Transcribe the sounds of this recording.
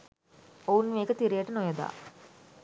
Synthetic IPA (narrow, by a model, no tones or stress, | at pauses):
owunmeːkət̪iɾijəʈənojɐd̪a̰ː